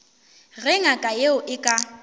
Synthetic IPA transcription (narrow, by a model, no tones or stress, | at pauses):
ɣɛŋakʼajeʊʔɪkʼa